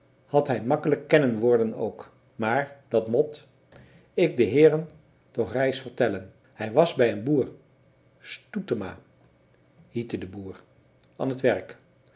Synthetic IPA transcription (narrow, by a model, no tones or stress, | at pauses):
hɑtɦɛjmɑkələkːɛnənʋʊːɹdəno̰wk | maːɹdɑtmɔt | ɪk̚dəɦɪːɾən | tɔχrɛjsfəɹtɛlən | hɛjʋɑzbɛjənbuːɹ | stutəma̰ː | hitədəbuːɹ | a̰ːnɦətʋɛɹk